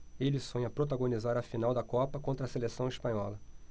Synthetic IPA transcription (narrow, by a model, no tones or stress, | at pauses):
elɪsõɲɐpɾot̪̬aɡõnizaɾɐfinawd̪ɐkɔpɐkõt̪ɾɐselesɐ̃w̃ispɐ̃ɲɔlɐ